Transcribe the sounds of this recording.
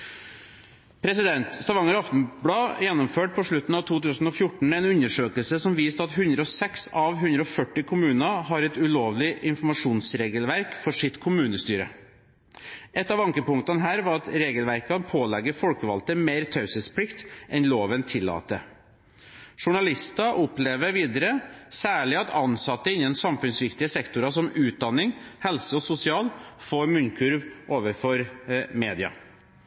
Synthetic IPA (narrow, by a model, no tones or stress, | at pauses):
pʰɾɛsɪd̪ɛnt̪st̪ɑʋɑŋəɾɑft̪n̩bɽɑːjɛnːɔmføːʈ̚pʰɔʂɭʉt̪n̩ɑːʋt̪ʰuːt̪ʉːsn̩ɔfjʊʈɳ̩ɛnʉɲəʂøːkəlsəsɔmʋiːst̪əɑt̪ɦʉnd̪ɾəɔsɛksɑʋɦʉnd̪ɾəɔfœʈːɪkʰʊmʉːnɑhɑɾɛt̪ʉloːʋlɪʔɪnfɔmɑʂuːnsɾeːɡəlʋæɾkfɔʂɪt̪kʰʊmʉːnəst̪yːɾə̰ | ʔɛt̪ːɑːʋɑŋkəpʊŋt̪ɑnəɦæːɾʋɑɾɑt̪ɾeːɡəlʋæɾkɑnpʰoːlɛɡːəfɔlkəʋɑlt̪əmeːɾt̪ʰɑʉsəspʰlɪkt̪ʔɛnloːʋənt̪ʰɪlːɑ̰ːt̪ə | ʂʊɳɑlɪst̪ɑʔɔpleːʋəɾʋiːd̪əɾəsæːɭɪɑt̪ɑnsɑt̪ːəɪnːənsɑmfʉnsʋɪkt̪ɪəsɛkt̪ʊɾɑʂɔmʉːt̪̚d̪ɑnːɪŋhɛlsəɔsʊsɪɑːlfoːɾmʉnkʰʉɾʋʔoːʋəɾfɔɾmeːd̪ɪɑ̰